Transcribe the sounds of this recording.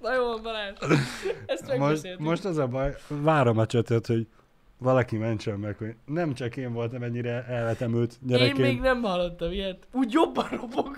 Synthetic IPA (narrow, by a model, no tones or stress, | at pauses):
nɒjoonbɒlaːʃ | ɛsmɛmoʃemo̞ʃt̪ɛzɒbɒjʋaːɾomɛt͡ʃøt̪ɛt̪ho̞ɟ | ʋɒlɒkimɛnt͡ʃɛmːɛkho̞ɟnɛmt͡ʃɒkeːɱvo̞lt̪ɒmɛɲːiɾɛɛlvɛt̪ɛmylt̪ɲɛɾɛmeemːɡnɛmhɒlːot̪ːɒmiɛt̪uːɟjo̞bːɒnrobok